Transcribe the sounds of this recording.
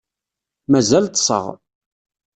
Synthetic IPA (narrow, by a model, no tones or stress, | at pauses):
mæzælt̪sˤə̰ʁ